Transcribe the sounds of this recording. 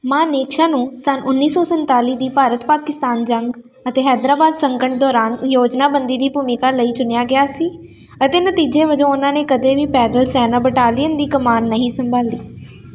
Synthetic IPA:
mãːneːkʃaːnũːsənʔʊnːiːsɔːsənt̪aːliːd̪iːpaːɾət̪paːkɪst̪aːnd͡ʒəŋɡ | ət̪eːɦɛːd̪ɾaːbaːd̪səŋkəɳʈ̚d̪ɔːɾaːnjoːd͡ʒnaːbənd̪iːd̪iːbuːmɪkaːləiːt͡ʃʊnjaːɡɪjaːsiː | ət̪eːnət̪iːd͡ʒeːʋəd͡ʒõːʊnãːneːkəd̪eːʋiːpɛːɖəlsɛːnãːbəʈaːlijənd̪iːkəmaːnːəɦĩːsəmbaːliː

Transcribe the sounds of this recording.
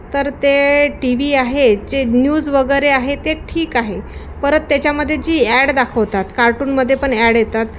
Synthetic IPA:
t̪əɾt̪eʈiʋiːaɦed͡ʑenjuːd͡zʋəɡəjɾeaɦet̪eʈʰiːkaɦe | pəɾət̪ːjat͡ɕjaməd̪ʱːjed͡ʑiːæɽd̪akʰəʋt̪at̪kaɾʈuːnməd̪ʱːjepəɳæɽjet̪at̪̚

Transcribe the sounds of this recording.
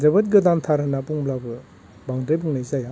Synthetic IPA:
zɐbɐt̚ɡɯdantʰaɾɯnapuŋblabɯ | baŋdebuŋnajzaja

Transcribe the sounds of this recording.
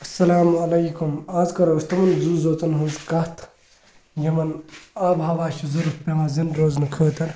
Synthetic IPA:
ɐsːɐlaːmɐlɐjkumaːzkɐɾoːst̪ɐmɐnzuːzoːt͡sɐnɦunzkɐht̪ʰ | jɐmɐnaːbɦɐʋaːʃʰuzɐɾut̪pʲemaːzɐnɾoːznɐkʰəːt̪ɐɾ

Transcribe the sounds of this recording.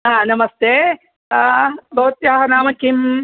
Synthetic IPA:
aːnɐmɐst̪eː | boːt̪jaːɦɐnaːmɐkim

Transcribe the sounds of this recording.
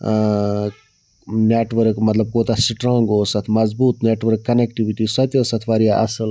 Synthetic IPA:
neːʈʋəɾkmɐt̪lɐb̚koːt̪asiʈɾãːŋɡoːsɐt̪ʰmɐzbuːt̪neːʈʋəɾkːɐnekʈiʋiʈiːsɐt̪josɐt̪ʰʋaɾijaʔɐ̰səl

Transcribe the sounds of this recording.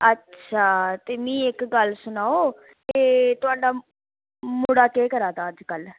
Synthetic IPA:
ətːʃʰaːt̪eːmĩːɪkɡəlsʊnaːoː | teːt̪ʊaːɖaː | mʊɽaːkeːkəɾaːt̪aːəd͡ʒkəl

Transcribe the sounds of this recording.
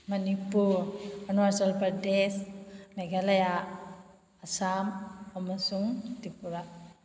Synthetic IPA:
mɐnipuɾjuniʋɐɾsɐlpɐɖesmeɡɐlɐja | ɐsaːmɔmɐsuŋt̪ipuɾa

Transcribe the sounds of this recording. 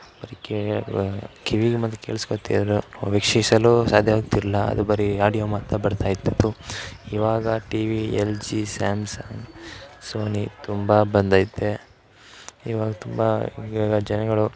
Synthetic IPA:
b̥ɐɾike | kʰiʋiɡemɐnd̪ekeːɭiskot̪ːḭd̪ɐɾuʋikʂisɐluːsaːd̪ʱjɐʋaːɡ̚t̪iɾɐlːɐɐ̰d̪ubɐɾiaːɽijoːmɐt̪ːɐbɐɽt̪ʰaːjit̪ːut̪ːuiːʋaːɡɐʈiːʋield͡ʒisaːmsaːŋɡsoːnit̪umbɐbɐnd̪ɐid̪ːe | iːʋaːɡɐt̪umbɐiaːɡɐd͡ʒɐnɐɡɐɭu

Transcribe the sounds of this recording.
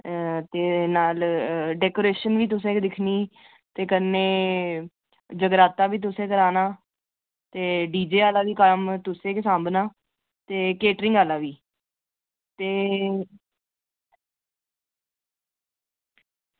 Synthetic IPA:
t̪eːnaːlɖɛːkoːɾeːʃənʋiːt̪̬ʊs̬ẽːkd̪ɪkʰniː | t̪eːkənːẽː | d͡ʒəɡɾaːt̪aːʋiːt̪̬ʊsẽːk̬əɾaːnaː | t̪eːɖiːd͡ʒeːaːlaːʋiːkəmt̪ʊsẽːkesãːmbnaː | t̪eːkeːʈɾɪ̃ŋɡaːlãːʋiː | t̪eː

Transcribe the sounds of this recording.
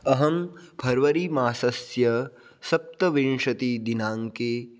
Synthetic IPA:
ɐɦɐmpʰɐɾʋɐɾimaːsɐsjɐ | sɐp̚t̪ɐʋinʂɐt̪id̪inaːŋkeː

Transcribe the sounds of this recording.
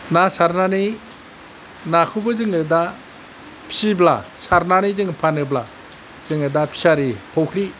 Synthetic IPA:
nasaɾnani | nakʰubɯzɯŋɯda | pʰi̥sibla̰saɾnanizɯŋpʰanɯbla̰ | zɯŋɯdapʰi̥saɾipʰowkʰɾi

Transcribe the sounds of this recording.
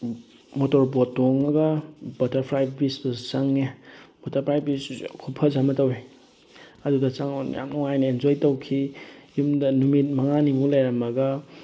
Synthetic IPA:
motoɾpɔtːoŋɐɡɐbɐtɐɾpʰɾajb̚bisbɐt͡ʃaŋːeb̥ɔtɐɾpʰɾajbiskʰupʰɐzamɐtɐwe | ɐdudɐt͡ʃaŋɔnja̰ŋnɔŋajnɐend͡ʒojtowkʰijumdɐnumit̚mɐŋanimulajɾɐmɐɡɐ

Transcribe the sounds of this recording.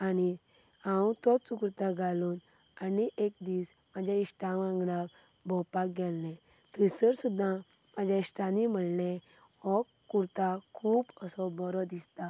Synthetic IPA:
ani | ãwut̪ɔt͡sukɾt̪aɡʱaluːn | aniʔek̚d̪iːs | mad͡ʑʱjaisʈãʋãŋɡɽak | bʱɔpak̚ɡɛlnɛ | t̪əsəɾsud̪ʱːãmad͡ʑʱjaisʈanim̤əɽnɛ̃ | ɔkːuɾt̪akʰuːpəsɔbɔɾɔd̪ist̪a

